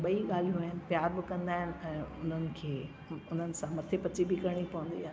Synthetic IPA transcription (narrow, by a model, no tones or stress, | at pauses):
ɓɐiɠaːl̤ijũaːɦɪnɪ̆pjaːɾbɪkɐ̃nd̪aːɦɪnɪ̆ɛ̃ːʊ̰n̤ənɪ̆kʰeː | ʊn̤ənɪ̆sãmɐt̪ʰepɐt͡ɕibɪkɐɾɽ̃ipɐʋə̃nd̪iaːɦ